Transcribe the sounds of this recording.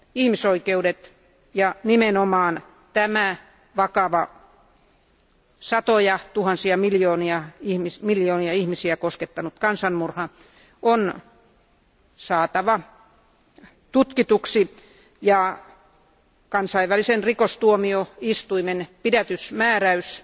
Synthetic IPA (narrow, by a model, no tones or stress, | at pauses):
ihmisoikeudet̪ | jɑnimenomɑːn | t̪æmæ | ʋɑkɑʋɑ | sɑt̪ojɑt̪uhɑnsiɑmiljoːniɑihmismiljoːniɑihmisiækosket̪ːɑnut̪kɑnsɑnmurhɑ | on | sɑːt̪ɑʋɑ | t̪ut̪kit̪uksi | jɑ | kɑnsɑiʋælisenrikost̪uomioist̪uimenpidæt̪ysmæːræys